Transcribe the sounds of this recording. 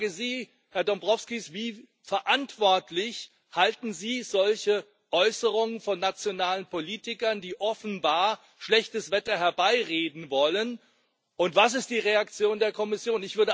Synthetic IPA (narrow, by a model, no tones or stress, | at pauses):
ɡəziː | hɛɐdɔmbʁɔfskisviː | fɛɐʔantv̥ɔɐtʰlɪç | haltn̩ziːzɔlçə | ʔɔʏsəʁʊŋənfɔnːat͡sjonaːlənpoliːtɪkɐndiːʔɔfn̩baːɐ | ʃlɛçtəsv̥ɛtɐɦɛɐbaɪʁeːdn̩vɔlən | ʔʊntv̥as̬ɪst̚d̥iːʁeak̚t͡sjoːndeːɐkʰɔmɪsjoːnɪçv̥ʏɐdə